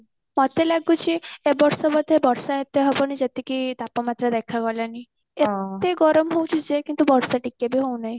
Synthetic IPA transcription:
mɔt̪elaɡut͡ʃʰiebɔɾsɔbɔd̪ʱːebɔɾsaet̪eɦɔbɔnid͡ʒet̪ikit̪apɔmat̪ɾəd̪ekʰaɡɔlani | et̪eɡɔɾɔmɦow̃t͡ʃʰud͡ʒekint̪ubɔɾsaʈikebʱiɦownaɦĩ

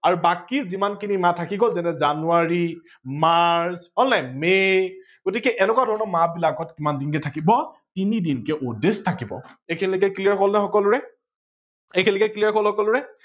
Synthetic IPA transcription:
aɹubakizimankinimatʰakiɡɔlzɛnɛzanuaɹi | maɹsɔnlajme | ɡ̥otikɛʔɛnɛkwadʱɔɹɔnɔmabilaɡɔtkimandinkɛtʰakibɔtinidinkɛʔodestʰakibɔ̰ekʰinilɛkɛkliaɹkʰɔlnɛxɔkɔlʊɹɛ | ekʰinilkɛklijaɹkʰɔlhɔkɔlʊɹɛ

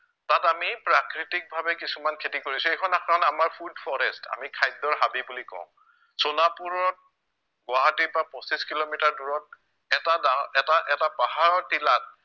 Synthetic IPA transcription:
tatamipɹakɹitik̚bʱabɛkisumankʰetikoɹisuekʰɔnakaanamaɹpʰudfʰɔɹɛsta̰mikʰajdɔɹɦabibulikɔ̰̃ʊ̃ | sɔnapuɹɔt̚ | ɡʊwaɦatipɹapɔ̃siskilomitaɹduɹɔt̚ | ɛtadaɛtaʔɛtapaɦaɹɔtilat̚

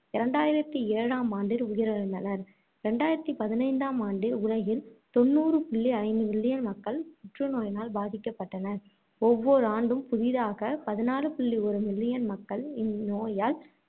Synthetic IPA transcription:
ɪɾɐɳɖaːjɪɾɐt̪ːieːɻaːmaːnɖɪɾʊjɪɾɐɾɯnd̪ɐnɐɾ | ɾɛɳɖaːjɪɾɐt̪ːipɐðɪnɐɪnd̪aːmaːɳɖɪɾʊɻɐɣɪlt̪ɔnːuːrɯpɪɭːiɐɪnd̪ɯmɪɭːɪjɐnmɐkːɐɭpʊʈrɯnoːjnaːlbaːðɪkːɐpːɐʈːɐnɐɾ | ɔʋːɔɾɯaːɳɖɯmpʊðɪðaːɣɐpɐðɪnaːlɯpɪɭːiɔɾɯmɪɭːɪjɐnmɐkːɐɭɪnːoːjaːl

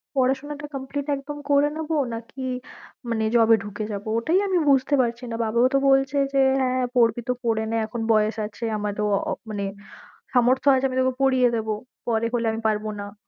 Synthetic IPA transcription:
pɔɽaʃonaʈakəmpliʈɛk̚d̪omkoɾenabonakimaned͡ʑɔbeɖʱuked͡ʑabooʈaiamibud͡ʑʱt̪epaɾt͡ɕʰinababaot̪obolt͡ɕʰed͡ʑeɦɛ̃poɾbit̪opoɽenaɛkʰonbɔejeʃat͡ɕʰeamad̪omaneʃamoɾt̪ʰoat͡ɕʰeamit̪oekopoɽied̪ebopɔɾeɦoleamipaɾbona

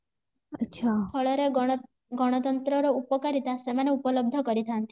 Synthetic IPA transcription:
ʌtːʃʰapʰɔɭɔɾe | ɡɔɽ̃ɔt̪ɔnt̪ɾɔɾɔupɔkaɾit̪asemaneupɔlɔb̚d̪ʱɔkɔɾit̪ʰant̪i̥

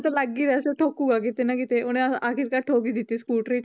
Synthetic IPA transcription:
t̪əlaɡːiːɾeəseʈʰokuɡakit̪enakit̪eoɽ̃iaakʰiɾkaʈʰokid̪it̪iskuʈɾi

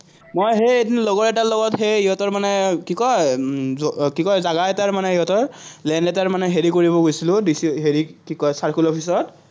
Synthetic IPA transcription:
mojɦetnlɔɡɔɹɛtalɔɡɔtɦejiɦɔtɔɹmanɛkikɔjɔkikɔjzaɡaɛtaɹmanɛiɦɔtɔɹlɛndɛtaɹmanɛɦeɹikoɹiβɔɡojsilʊ̃disiɦeɹikikɔjsaɹkulɔpʰis̬ɔt

